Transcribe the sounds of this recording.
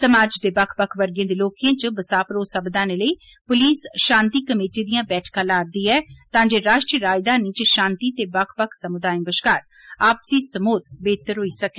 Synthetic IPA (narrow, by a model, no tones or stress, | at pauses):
səmaːd͡ʒd̪eːbəkʰbəkʰʋəɾɡẽːd̪eːloːkãːt͡ʃəbəsaːpɾoːsəbd̪ãːneːləiː | pʊliːsʃãːnt̪iːkəmeːʈiːd̪ijãːbɛːʈʰkãːlaːɾd̪iːɛːt̪ãːd͡ʒeːɾaːʃʈɾiːəɾaːjd̪aːnĩːt͡ʃʃãːnt̪iːt̪eːbəkʰpəkʰsəmʊd̪aːĩbəʃkaːɾ | aːpsiːsəmoːt̪beːt̪əɾɦoːiːsəke